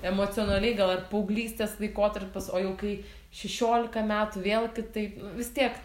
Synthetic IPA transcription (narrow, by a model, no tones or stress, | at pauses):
ɛmoːt͡s̪ʲɪoːnɐlʲɛɪɡɐlˠɐrpɐʊɡlʲiːsʲt̪ʲeːslˠɐɪkoːt̪ɐrpʲɪsoːjɛʊkɐɪ | ʃʲɛʃʲoːlʲɪkɐmʲæːt̪ʊʋʲeːlˠɡʲɪt̪ɐɪnʊʋʲɪst̪ʲiɛk